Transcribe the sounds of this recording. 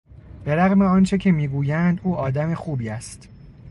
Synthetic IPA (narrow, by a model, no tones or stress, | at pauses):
b̥e̞ɾæɣme̞ɒːnt͡ʃʰecʰemiːɡuːjænd̪uːɒːd̪æme̞xuːbiːæst̪